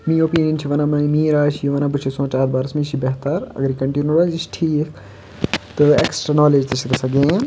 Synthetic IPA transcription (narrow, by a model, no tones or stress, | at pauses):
miːoːpiːnjɐnt͡ʃʰiʋɐnamɐimĩːɾaːʃʰijiʋɐnabɨt͡ʃʰisõːt͡ʃaːɾbaːɾɐsmĩʃʰibeɦt̪aɾɐ̰ɡɐɾikɐɳʈinjuɾaːd͡ʒit͡ʃʈʰiːkʰ | t̪ɨḛksʈɾɐnɔːleːd͡ʒt̪ɐʃikɐsɐɡẽːn